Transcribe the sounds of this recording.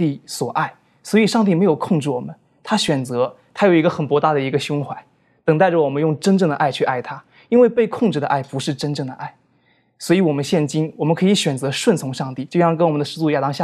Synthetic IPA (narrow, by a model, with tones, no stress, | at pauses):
t̪i˥˩swɔ˨˩ʔa˥˩ɪ | swɔ˧˥i˨˩ʂɑ˥˧ŋt̪i˥˩me˧˥ɪjo˨˩ʊkʰʊ˥˧ŋʈ͡ʂɻ̩˥˩wɔ˨˩mə˦n | t̪ʰa˥ɕɥɛ˨˩nt͡sɤ˧˥t̪ʰa˥jo˨˩ʊi˧˥ɡə˧xə˨˩npwɔ˧˥t̪a˥˩d̪ə˩i˧˥ɡə˧ɕjʊ˥ŋxwa˧˥ɪ | t̪ɤ˨˩ŋt̪a˥˩ɪʈ͡ʂə˩wɔ˨˩mə˦njʊ˥˩ŋʈ͡ʂə˥nʈ͡ʂɤ˥˩ŋd̪ə˩ʔa˥˩ɪt͡ɕʰy˥˧ʔa˥˩ɪt̪ʰa˥ | i˥nwe˥˧pe˥˧ɪkʰʊ˥˧ŋʈ͡ʂɻ̩˥˩d̪ə˩ʔa˥˩ɪpu˧˥ʂɻ̩˥˩ʈ͡ʂə˥nʈ͡ʂɤ˥˩ŋd̪ə˩ʔa̰˥˩ɪ | swɔ˧˥i˧˥wɔ˨˩mə˦nɕjɛ˥˩nt͡ɕi˥nwɔ˨˩mə˧˦nkʰɤ˧˥i˧˥ɕɥɛ˨˩nt͡sɤ˧˥ʂwə˥˩nt͡sʰʊ˧˥ŋʂɑ˥˧ŋt̪i˥˩t͡ɕjo˥˧ʊjɑ˥˧ŋkə˥nwɔ˨˩mə˦nd̪ə˧ʂɻ̩˥˧t͡su˥˧ja˨˩t̪ɑ˥ŋɕja˥˩